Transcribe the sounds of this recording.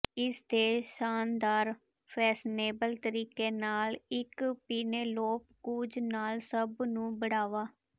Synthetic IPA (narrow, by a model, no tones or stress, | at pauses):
ɪsd̪eːsaːnd̪aːɾ | pʰɛːsneːbəlt̪əɾiːkeːnaːlɪkpiːneːloːpkuːd͡ʒnaːlsəbnũːbəɽaːʋaː